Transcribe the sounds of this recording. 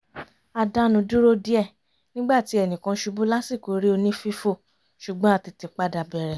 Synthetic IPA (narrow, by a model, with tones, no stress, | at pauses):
a˧da˦nũ˧du˦ɾo˦di˦ɛ˦˨ | nĩ˦ɡ͡ba˦˨ti˨˦ɛ˦˨nĩ˨kã˧ʃu˧bu˦la˦si˦˨ko˨ɾi˦o˧nĩ˦fi˦fo˦˨ | ʃu˨ɡ͡bɔ̃˦a˧ti˧ti˨k͡pa˦da˧bɛ˨ɾɛ˨